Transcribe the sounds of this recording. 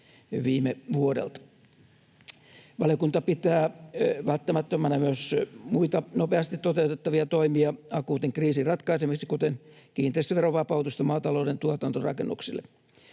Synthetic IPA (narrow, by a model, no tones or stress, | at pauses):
ʋiːmeʋuodḛlt̪ | ʋɑljokunt̪ɑpit̪æːʋælt̪ːæmæt̪ːømːænɑmyøsmuit̪ɑnopeɑst̪it̪t̪ot̪eut̪et̪ːɑʋiɑt̪oimiɑɑkuːt̪iŋkriːsirrɑt̪kɑisemiksikut̪en | kiːnt̪eˑist̪ʋeroʋɑpɑut̪ust̪ɑmɑːt̪ɑloːdent̪uot̪ɑnt̪orɑ̰kḛnːṵksilːḛ